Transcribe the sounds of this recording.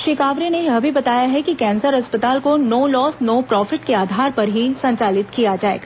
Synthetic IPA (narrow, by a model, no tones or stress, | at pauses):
ʃɪkaːʋɾineɐbʱibɐt̪aːjaɦɛkikɛ̃ːnsəɾɦɐspət̪aːlkonoːlɔːsnoːpɾɔːfʰɪʈkeaːd̪ʱaːɾpɐɾɦisɐ̃ɲt͡ʃaːlɪt̪kijad͡ʒaːḛːɡaː